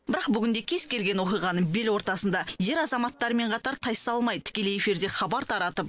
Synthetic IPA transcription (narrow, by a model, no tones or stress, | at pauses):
bɪɾɑqbʏɡʲɪnd̪e̞kʲʰe̞zkʲe̞lɡʲe̞nwo̞qijʁɑnəɴbelwo̞ɾt̪ɑsənd̪ɑje̞ɾɑzɑmɑt̪ːɑɾəme̞ɴqʰɑt̪ɑɾt̪ʰɑj̪sɑlˠmɑj̪ət̪ʰɪ̥kʲe̞leje̞fiɾd̪e̞χɑbɑɾt̪ʰɑɾɑt̪əp̚